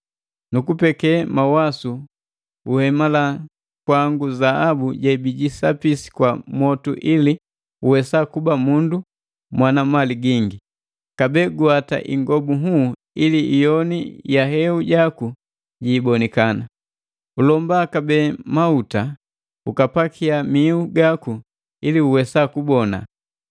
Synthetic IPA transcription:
nukupɛkɛmawasu | uhɛmala | kwaŋɡuzaabuɟaibiɟisapisi̥kwamɔtuʔili | uwɛsakubamundu | mwanamaliɡiŋɡi | kabɛːɡuata̰ʔḭŋɡɔbuɦu | iliʔijɔnijaɦɛuɟaku | ɟiːbɔnikana | ulɔmbaːkabɛːmauta | ukapakʰiamiuɡaku | iliuwɛsakubɔna̰

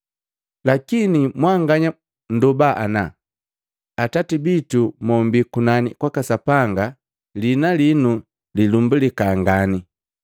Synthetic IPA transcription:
lakinimwaŋɡaɲa | n̩dɔbaʔa̰na | atatibitumɔmbikunanikwakasapaŋɡa | linalinu | lilumbulikaŋɡani

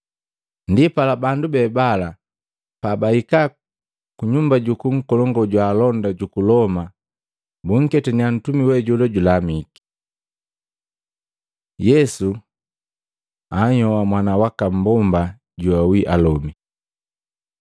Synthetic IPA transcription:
ndipalabandubɛbala | pabaika | kuɲumbaɟukuŋ̩kɔlɔŋɡɔɟwaːlɔndaɟukulɔma | buŋ̩kɛtɛnian̩tumiwɛɟulɔɟulamiki̥ | jɛsu | aɲɔwamwanawakam̩bɔmba | ɟuawiʔalɔmi

